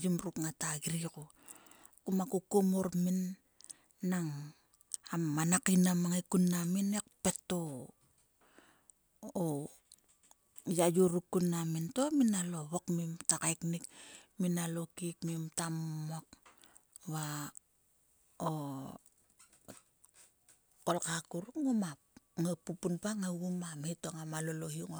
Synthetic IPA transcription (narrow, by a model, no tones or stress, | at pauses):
d͡ʒumɾukŋataɡiɾiko | kumakukomoɾminː | aŋ | amːanakinamaŋikunːaminek̚pe̞to | o | jajuɾukːunːamintominaloβokmimtakajknikminalokikmimtamak | βa | o | kolkakuɾuŋumap̚ŋapupunpaŋaɡumametoŋamalolohiŋo